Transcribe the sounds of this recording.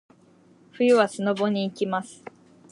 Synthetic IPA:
ɸɯ̟jɯβasɨno̞bo̞ɲ̟iːkʲimasɨ̥

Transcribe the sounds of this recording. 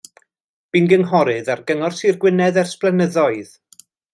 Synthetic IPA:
b̥inɡənɦɔɾɨðarɡəŋɔrsirɡwɪnɛðɛrsplɛnəðɔɨð̥

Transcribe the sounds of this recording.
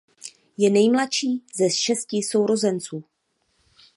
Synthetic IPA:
jɛnɛjmlatʃiːzɛʃɛscɪso̞wɾo̞zɛnt͡suː

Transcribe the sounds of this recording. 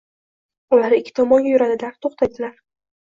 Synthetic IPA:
ʊlaɾɪkʲʰːɪt̪ʰɒmɒŋɡʲajʊɾad̪ɪd̪aɾt̪ʰoχt̪ʰajd̪ɪlaɾ

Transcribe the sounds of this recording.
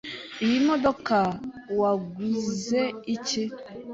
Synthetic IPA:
iimodoka | waɡuzeit͡ʃi

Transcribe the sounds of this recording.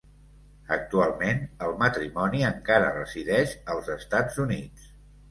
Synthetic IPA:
ək̚t̪ualˠmenəlˠmət̪ɾimɔniəŋkaɾə̰rəziðɛʃəlˠzəst̪ad͡zunit͡s

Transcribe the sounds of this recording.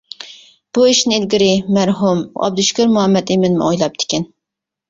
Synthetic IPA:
b̥uiʃnɪelɡʲiɾɪmæɾɦumɑ̰b̚d̪uʃkʲøɾmuɦɑmːɛt̪ɪmɪnmṵojlˠɑp̚d̪ʰɪ̥kʲɛn

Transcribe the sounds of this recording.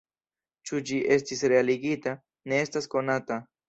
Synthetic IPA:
t͡ʃʊd͡ʒiʔest̪isɾealɪɡit̪a | neest̪askonat̪a

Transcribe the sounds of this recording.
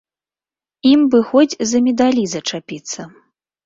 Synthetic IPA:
imbɨxɔd͡zʲzɐmʲɛd̪alʲizɐt͡ʂapʲit̪sːɐ

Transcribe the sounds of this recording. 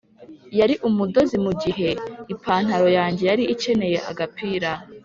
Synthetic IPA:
jaɾiʔumudo̞zimuɡiɦe̞ipʰaːn̥haɾo̞jaːɲɟe̞jaɾiʔice̞ne̞je̞ʔa̰ɡapiːɾa

